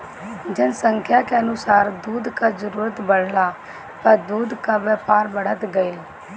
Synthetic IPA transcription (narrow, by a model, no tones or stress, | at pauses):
d͡ʒɪnsəŋkʰjaːkeənʊsaːɾd̪uːd̪kaːzəɾuːɾət̪bəɽ̤laː | pəɾd̪uːd̪kaʋəːpʰaːɾbəɽət̪ɡəil